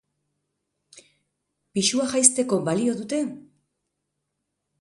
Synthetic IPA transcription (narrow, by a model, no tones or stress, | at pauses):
piʃuaxajst̪e̞ko̞balio̞ðut̪e̞